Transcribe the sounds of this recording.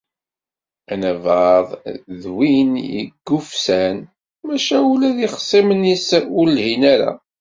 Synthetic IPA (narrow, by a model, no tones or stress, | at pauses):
ænævɑðˤðwinjə̰ɡːufsæn | mæʃæulæðiχə̥sˤːimənisʊlːhinæɾa̰